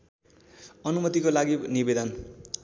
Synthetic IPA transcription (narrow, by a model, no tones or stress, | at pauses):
ʌnumʌt̪ikolaɡinibed̪ʌn